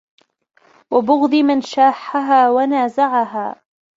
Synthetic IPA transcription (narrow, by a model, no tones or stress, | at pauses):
wabʊɣd̪ˤimanʃaːħaɦaːwanaːzaʕaɦaː